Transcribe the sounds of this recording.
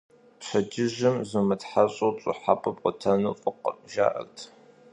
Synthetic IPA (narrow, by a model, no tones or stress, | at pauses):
pɕɐd͡ʒɪʒɪmzɨmɨtħaɕʼowɕʼʊħapʰʼɐpqʷʼʊtʰɐnuːfʼɨqə̰ʒa̰ːʔɐ̰rtʰ